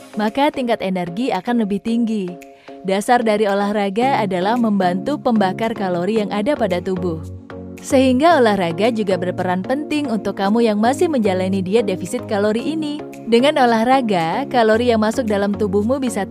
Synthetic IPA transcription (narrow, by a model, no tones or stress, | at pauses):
makat̪iŋkat̪enərɡiakanləbɪht̪iŋɡi | dasardaɾiolahraɡaːdalahməmbant̪upəmbakarkaloɾijaŋʔadapadat̪ubʊh | səɦiŋɡaolahraɡad͡ʒuɡabərpəɾanpənt̪ɪŋunt̪ʊkːamujaŋmasɪhməɲd͡ʒalanidiat̪̚defisɪt̪̚kaloɾiʔːni | dəŋanolahraɡakaloɾijaŋmasʊk̚dalamt̪ubʊhmubisa